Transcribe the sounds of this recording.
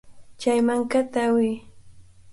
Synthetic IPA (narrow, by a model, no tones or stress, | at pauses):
t͡ʃajmaŋkat̪aːwɪj